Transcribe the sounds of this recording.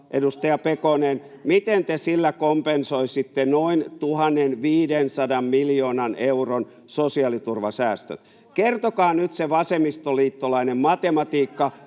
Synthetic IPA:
ʔedust̪ɑjɑpekonen | mit̪ent̪esilːækompensoisit̪ːenoint̪uhɑnːenʋiːdensɑdɑmmiljoːnɑneuron | sosiɑlit̪urʋɑsæːst̪ø̰t̪ | kert̪okɑːnyt̪seʋɑsemist̪oliːt̪ːolɑinemmɑt̪emɑt̪iːkːɑ

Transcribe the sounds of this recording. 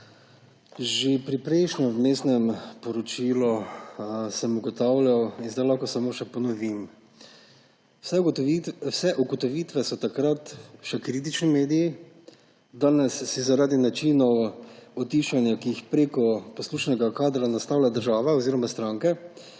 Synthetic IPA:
ʒepɾipɾɛɪʃnɔwmeːst̪nɛmpɔɾɔt͡ʃilɔ | sɛmuɡɔt̪awljawinzd̪ajlaxkɔsamoːʃɛpɔnɔʋim | s | sɛʔuɡɔt̪ɔʋit̪ʋɛsɔt̪akɾat̪ʃɛkɾit̪it͡ʃnimeːd̪iji | d̪aːnɛsːizaɾaːd̪inat͡ʃinɔwɔt̪iʃanjakiːxpɾeːkɔpɔsluːʃnɛɡakaːd̪ɾanast̪aːwlʲad̪əɾʒaːʋaoziɾɔmast̪ɾaːŋkɛ

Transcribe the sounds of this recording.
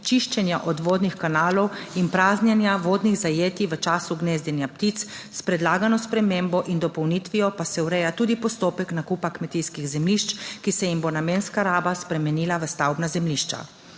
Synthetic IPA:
t͡ʃiʃt͡ʃɛnjaʔɔd̪ʋoːd̪nixkanaːlɔwinpɾaːznjanjaʋoːd̪niɣzajeːt̪iʋət͡ʃaːsuɡneːzd̪ɛnjapt̪it̪s | spɾɛd̪laːɡanɔspɾɛmembɔʔind̪ɔpɔwnit̪ʋijɔpasɛwɾɛjat̪uːd̪ipɔst̪oːpɛknakupakmɛt̪ijskiɣzɛmliʃt͡ʃkisɛjimbonameːnskaɾaːbaspɾɛmɛniːlaʋəst̪awbnazɛmliʃt͡ʃa̰

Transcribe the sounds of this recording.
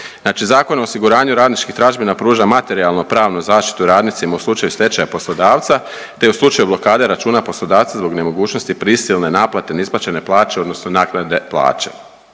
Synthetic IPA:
zaːt͡ʃizaːko̞noosiɡuɾaːɲuɾaːd̪nit͡ʃkixt̪ɾaʒbinapɾuːʒamat̪e̞ɾialˠnopɾaːʋnuzaːʃt̪i̥t̪uɾaːd̪nit̪simauslˠut͡ʃajuse̞t͡ʃajapo̞slˠo̞d̪aːʋt̪sa | t̪euslˠut͡ʃajublˠo̞kaːd̪e̞ɾat͡ʃuːnapo̞slˠo̞d̪aːʋt̪sazbo̞ɡne̞mo̞ɡuːt͡ʃno̞st̪ipɾisilne̞naːplˠat̪e̞nisplˠat͡ʃe̞ne̞plˠaːt͡ʃe̞o̞d̪no̞snonaːknad̪e̞plˠa̰ːt͡ʃe̞̥̰

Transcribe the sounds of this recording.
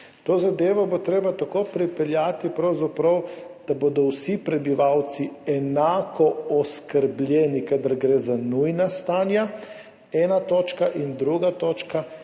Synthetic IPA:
t̪oːzad̪eːʋɔbot̪ɾeːbat̪akoːpɾipɛljaːt̪ipɾawzapɾawd̪̥abod̪ɔwsipɾɛbiʋawt̪siɛnaːkɔɔskəɾblʲjɛːnikad̪aɾɡɾeːzanujnast̪aːnja | ɛːnat̪oːt͡ʃkaʔind̪ɾuɡat̪oːt͡ʃka

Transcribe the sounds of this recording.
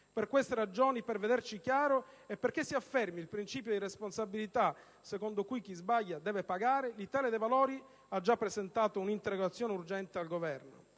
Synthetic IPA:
perkwest̪eɾad͡ʒoːniperved̪ert͡ʃikjaːɾoepːerk̟esːiafːɛrmilpɾint͡ʃiːpjod̪iresponsabilit̪a | sekond̪okujk̟izbaʎːad̪ɛːvepaɡaːɾelit̪aːled̪evaloːɾi | ad͡ʒːapːɾezent̪aːt̪ounint̪eɾːoɡat̪sːjɔːneurd͡ʒɛnt̪ealɡovɛrno̰

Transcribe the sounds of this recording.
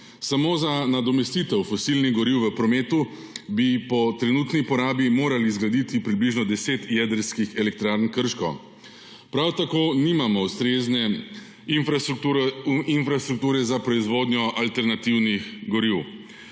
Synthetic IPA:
samoːzanad̪ɔmɛst̪iːt̪ɛwfɔsilniɣɡɔɾiwʋəpɾɔmeːt̪u | bipɔt̪ɾɛnuːt̪nipɔɾaːbimoːɾalizɡlad̪it̪ipɾibliʒnɔd̪ɛseːt̪jɛd̪əɾskixɛlɛk̚t̪ɾaɾnkəɾʃko | pɾawt̪akoːniːmamɔwst̪ɾeːznɛ | inf | infɾast̪ɾuk̚t̪uːɾɛzapɾɔizʋoːd̪nʲjɔʔalt̪ɛɾnat̪iwnixɡɔɾiw

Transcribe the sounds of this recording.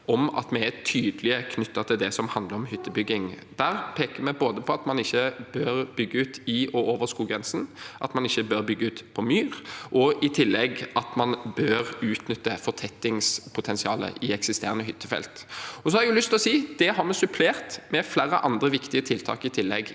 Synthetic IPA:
ɔmɑ̰t̪mɛɛt̪ʰyːd̪lɪəkʰnʏt̪ːət̪ʰɪld̪ɛsɔmhɑnd̪ləɾɔmhʏt̪ːəbʏɡːɪŋ | d̪̥æːɾpʰeːkəmɛboːd̪əpʰɔɑt̪mɑnɪçːəbøɾbʏɡːəʉːt̪ɪɔoːʋəskuːɡɾɛnsn̩ʔɑt̪mɑnɪçːəbøɾbʏɡːəʉːt̪pʰɔmyːʁʔɔɪt̪ʰɪlːɛɡʔɑt̪mɑnbøːʁʉːt̪nʏt̪ːəfɔt̪ʰɛt̪ːɪŋspʰʊt̪ʰɛnsɪɑːlə̰ʔɪɛksɪst̪eːʁənəɦʏt̪ːəfɛ̰lt̪ɔs̬ɔhɑɾɛɡjʉlʏst̪lɔsiːd̪̥ɛɦɑɾmɛsʉpʰleːɾt̪mɛflæːɾə̰ʔɑnd̪ɾəʋɪkt̪ɪət̪ʰɪlt̪ʰɑ̰ːkɪt̪ʰɪlːɛɡ

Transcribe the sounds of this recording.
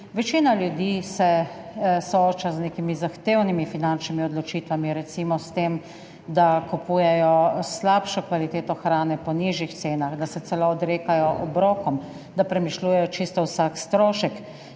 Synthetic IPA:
ʋɛt͡ʃiːnaljud̪iːsɛ | sɔoːt͡ʃaznekimizaxt̪eːwnimifinant͡ʃnimiɔd̪lɔt͡ʃiːt̪ʋamiɾɛt̪simɔst̪em | d̪akupuːjɛjɔslapʃɔkʋalit̪eːt̪ɔxɾaːnɛpɔniʒjixt̪seːnaxd̪asɛt̪ɛloːd̪ɾeːkajɔʔɔbɾɔːkɔm | d̪apɾɛmiʃluːjɛjɔt͡ʃist̪ɔwsakst̪ɾoːʃɛk

